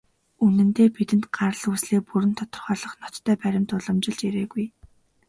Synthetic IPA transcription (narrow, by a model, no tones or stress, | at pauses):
unɘ̆nt̪eːpit̪ɘ̆nt̪ɢaɾ̆ɮuːsɮeːpuɾɘ̆nt̪ʰɔ̥t̪ɞ̆rχœːɮɞ̆χnɔt̪ʰːœːpæɾʲɪ̆mt̪ʊɮɞ̆mt͡ɕɪ̆ɮt͡ɕiɾeːɣuj